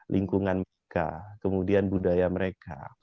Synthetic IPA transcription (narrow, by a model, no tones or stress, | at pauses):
lʔiŋkuŋanməɾeka̰kəmudianbudajaməɾeka̰